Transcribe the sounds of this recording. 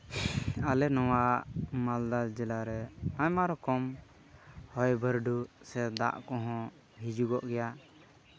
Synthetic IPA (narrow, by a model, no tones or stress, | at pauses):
alɛnɔwaʔmald̪ald͡ʒɛlaɾɛajmaɾɔkɔm | hɔjbəɾɖu | sɛd̪a̰ʔkɔɦɔ̃ | ɦid͡ʒuɡɔʔɡɛja